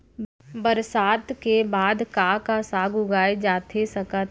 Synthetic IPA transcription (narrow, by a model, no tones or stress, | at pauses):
bəɾsaːt̪kebaːd̪kakasaːɡʱʊɡaːed͡ʒaːt̪ʰesəkət̪